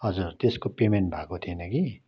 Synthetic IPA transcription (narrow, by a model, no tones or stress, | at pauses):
ɦʌd͡zurt̪eskopemen̚bʱakot̪ʰienʌki